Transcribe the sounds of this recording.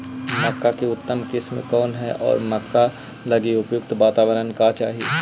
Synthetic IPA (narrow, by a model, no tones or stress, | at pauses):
mɐkːakeʊt̪ːəmkɪsmkɔːnɦɛʔɔ̰ːɾmɐkːa | lɐɡiʊpjʊkt̪ʋaːt̪aːʋəɾənkat͡ʃaːɦieː